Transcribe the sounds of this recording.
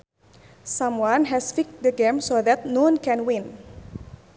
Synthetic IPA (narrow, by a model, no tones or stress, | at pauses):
sãmwãnɦɛsfik̚dəɡɛ̃msoðɛt̪nɔ̃nkɛ̃nwɪ̃n